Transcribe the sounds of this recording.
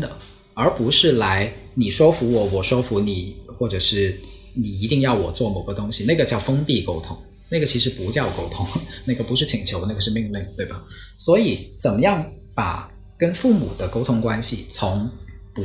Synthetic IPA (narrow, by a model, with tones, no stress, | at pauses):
d̪ə˨ | ə˞˧˥pu˧˥ʂɻ̩˥˩la˧˥ɪni˨˩ʂwɔ˥fu˧˥wɔ˨˩wɔ˨˩ʂwɔ˥fu˧˥ni˨˩˦xwɔ˥˩ʈ͡ʂɤ˨˩ʂɻ̩˥˩ | ni˨˩i˧˥t̪i˥˧ŋjɑ˥˩ʊwɔ˨˩t͡swɔ˥˩mo˨˩ʊɡə˧˦t̪ʊ˥ŋɕi˨na˥˩ɡə˩t͡ɕjɑ˥˩ʊfɤ˥ŋpi˥˩ko˥ʊt̪ʰʊ˧˥ŋ | na˥˩ɡə˩t͡ɕʰi˧˥ʂɻ̩˧˥pu˧˥t͡ɕjɑ˥˧ʊko˥ʊt̪ʰʊ˧˥ŋna˥˩ɡə˩pu˧˥ʂɻ̩˥˩t͡ɕʰi˨˩ŋt͡ɕʰjo˧˥ʊna˥˩ɡə˩ʂɻ̩˥˧mi˥˧ŋli˥˩ŋt̪we˥˩ɪbɐ˩swɔ˧˥i˨˩˦t͡sə˨˩nmə˦jɑ˥˩ŋ | pa̰˨˩ | kə˥nfu˥˩mṵ˨˩d̪ə˦ko˥ʊt̪ʰʊ˧˥ŋkwa˥nɕi˨˩t͡sʰʊ˧˥ŋ | pu˧